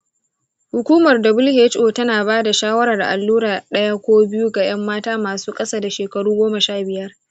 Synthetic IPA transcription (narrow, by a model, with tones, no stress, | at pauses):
hʊ˨kʷuː˦mɐ˨rdɐ˨bʊ˦lhe˦t͡ʃʔoː˨tɐ˦naː˨baː˦da˨ʃaː˦wɐ˦ɾɐ˨rda̰˨ʔa˨lːuː˦ɾaː˨ɗɐ˦ja˦kʷoː˦bɪ˦ju˦ɡa˨j̰ɐ˦mːaː˦taː˦maː˨suː˦kʼɐ˦saː˦da˨ʃeː˨kɐ˨ɽuː˦ɡʷoː˦mɐ˨ʃaː˦bɪ˨jɐ˦r